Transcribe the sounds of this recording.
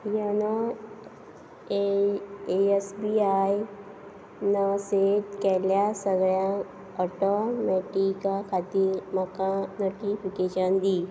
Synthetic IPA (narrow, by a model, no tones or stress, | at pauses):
jənə | esbiaj | naset̪kɛljasəɡɾjã | ɔʈomɛʈikakʰat̪iɾmakanoʈipʰikeʃənd̪iː